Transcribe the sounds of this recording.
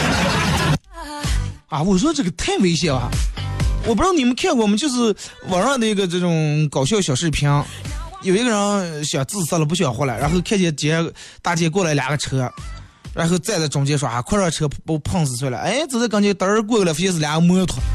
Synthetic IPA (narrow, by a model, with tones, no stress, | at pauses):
a˥˩wɔ˨˩ʂ̬ʈ͡ʂɤ˥˩ɡə˩t̪ʰa˥˩ɪwe˧˥ɪɕ̬jɛ˧˩˥a̰˧˩wɔ˨˩p̬̪ni˨˩mə˧˦nkʰjɛ˥˧nkwɔ˥˩mə˨t͡ɕjo˥˧ʊʂ̬ɻ̩˥˩wɑ˧˨˩nʂɑ˥˩d̪ə˩i˧˥ɡə˧ʈ͡ʂɤ˥˩ʈ͡ʂʊ˨˩ŋkɑ˨˩ʊɕjɑ˥˩ʊɕjɑ˨˩ʊʂɻ̩˥˩pʰjɑ˥ŋjo˨˩ʊi˧˥ɡə˧ɻə˧˥nɕjɑ˨˩ʊt͡sɹ̩˥˩˨sa˥lə˩p̬u˧˥ɕ̬jɑ˨˩xwɔ˧˥˩la˧˥ɪɻa˧˥nxo˥˧ʊkʰɛ˥˩t͡ɕjɛ˧˥t͡ɕjɛ˧˥ | t̪a˥˩t͡ɕjɛ˧˥k̬wɔ˥˩la˧˥ɪljɑ̰˨˩ɡə˧ʈ͡ʂʰɤ˥ | ɻa̰˧˥nxo˥˧ʊt͡sa˥˧ɪdə˧˩ʈ͡ʂʊ˨˩ŋt͡ɕjɛ˥ʂwa˧˥a˧˩kʰɻʈ͡ʂʰɤ˧˥po˧˥pʰɑ˥˧ŋsɹ̩˧˩sʰwlə̰˧˩e˥ɪt͡sɹ̩˧˥˩a˥˩kɑ˥ŋt͡ɕjt̪ə˧˥˧k̬wɔ˥˩klft͡ɕɛ˥s̬̩˥˩ljɑ˨˧˩ɡə˧mɤ˥t̪ʰwʊ˨˩˦